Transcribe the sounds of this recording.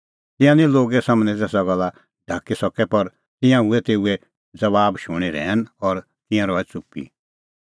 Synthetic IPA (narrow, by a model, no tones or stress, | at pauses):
t̪ɪ̃jãnĩloːɡɛsɐmnɛ̃t̪ɛːsaɡɔlːa | ɖʱaːkisɔkɛpɐɾ | t̪ɪ̃jãɦuɛt̪eːuɛ | d͡zɐʋaːbʃʊɽ̃iɾɛ̰ːnɔːɾ | t̪ɪ̃jãɾɔːɛt͡sʊpːḭ